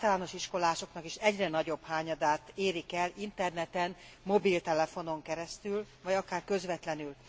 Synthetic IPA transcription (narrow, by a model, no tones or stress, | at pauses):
t̪ɒlaːno̞ʃiʃko̞laːʃo̞knɒkiʃɛɟrɛnɒɟo̞bhaːɲɒd̪aːt̪eːɾikɛlint̪ɛrnɛt̪ɛn | mo̞bilt̪ɛlɛfo̞no̞ŋkɛɾɛst̪yl | vɒɟɒkaːrkø̞zʋɛt̪lɛnyl